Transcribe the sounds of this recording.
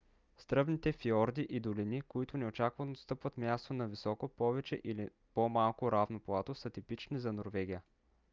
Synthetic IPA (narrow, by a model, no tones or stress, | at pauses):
st̪ɾɤbnit̪ɛfiɔɾd̪iʔid̪olinikoit̪ʊnɛot͡ʃakvɐnost̪ɤpvət̪mʲjast̪onɐvisɔkopɔvɛt͡ʃɛ̰ʔili | pomalˠkoɾavnoplˠat̪osət̪ipit͡ʃnizɐnoɾvɛɡ̟ʲijə